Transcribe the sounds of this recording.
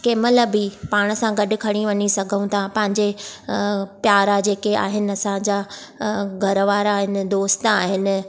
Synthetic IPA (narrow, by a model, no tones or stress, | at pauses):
keːməlbɪpaːɽ̃ə̆sãɡɐɗʊ̆kʰɐɽ̃iʋɐɲisɐɡʱəũt̪ʰapɐ̃ɦɪ̃ɲd͡ʑe | pjaːɾad͡ʑeːkea̰ːɦɪnɪ̆ɐsãd͡ʑaː | ɡʱɐɾəʋaːɾaːɦɪn̆d̪oːst̪aːɦɪnɪ̆